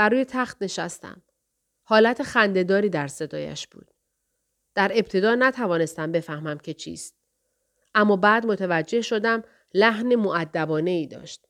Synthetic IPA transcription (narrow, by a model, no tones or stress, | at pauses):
bæɾuːjet̪ʰæxt̪ne̞ʃæst̪æ̰m | hɒːlæt̪ʰexænd̪e̞d̪ɒːɾiːd̪æɾse̞d̪ɒ̰ːjæ̰ʃb̥ṵːd̪̥ | d̪̥æɾe̞b̥̚t̪ʰe̞d̪ɒːnæt̪ʰævɒːne̞st̪æmbe̞fæhmæmcʰe̞t͡ʃʰḭːst̪̚ | ʔæmːɒːbæːd̪mot̪ʰevæd͡ʒːe̞hʃo̞d̪æm | læhnemoʔæd̪ːæbɒːne̞iːd̪ɒ̰ːʃt̪̚